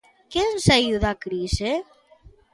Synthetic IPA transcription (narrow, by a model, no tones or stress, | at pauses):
kensajuðakɾise